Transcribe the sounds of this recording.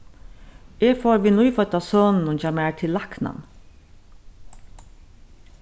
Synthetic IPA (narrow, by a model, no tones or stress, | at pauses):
eːɡfoːɹʋiːnujfœt̪asoːnn̩ʊnt͡ʃamæːt̪ʰɪlːakna̰n